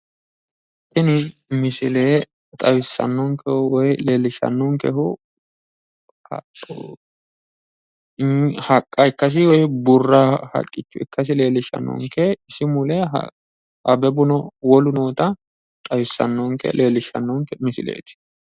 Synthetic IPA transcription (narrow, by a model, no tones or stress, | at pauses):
t̪ːɪnɪmɪsɪleː | t̪ʼɐwɪsːɐ̰nːɔŋkʰɛhʊwɔjleːlːɪʃɐ̰nːɔŋkɛhʊ | h | hɐkʼːɐɪkːɐs̬ɪwɔjbʊrːahɐ̰kʼːɪt͡ʃːʊɪkːɐs̬ɪle̞ːlɪʃɐ̰nːɔ̰ŋkɛɪsɪmʊlɛ̰ | ʔɐbɛbʊnɔwɔlʊnoːt̪ɐ | t̪ʼɐwɪsːɐ̰nːɔŋkɛ̰leːlɪʃɐ̰nːɔŋkɛmɪsɪ̰lḛːt̪ɪ̥